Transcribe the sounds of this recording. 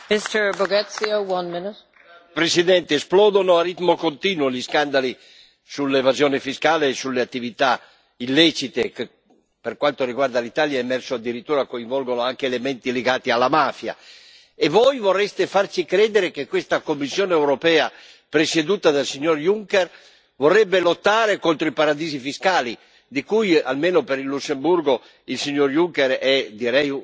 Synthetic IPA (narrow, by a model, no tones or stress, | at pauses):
mɪstə˞bɔɡɛt̪siowʌ̃nmɪnɪt | pɾesid̪ɛnt̪eːsplɔːd̪onoarit̪mokont̪iːnwoliskand̪ali | sulːevazjoːnefiskaːleːsulːeat̪ːivit̪a | ilːɛt͡ʃit̪eke | perkwant̪oriɡward̪alit̪aːljaemɛrsoad̪ːiɾit̪ːuːɾakoiɱvɔlɡonoaŋkeːlemɛnt̪ileɡaːt̪ialːamaːfja̰ | evɔjvorːɛst̪efarsikɾɛːd̪eɾekekwest̪akomːisːjoːneːwɾopɛːa | pɾesed̪uːt̪ad̪alsiɲːorjuŋkɛr | vorːɛbːelot̪ːaːɾekont̪ɾoipaɾad̪iːzifiskaːli | d̪ikuja̰lmeːnopeɾilːusːembuɾɡo | ilsiɲːoɾjuŋkɛɾɛd̪iɾɛju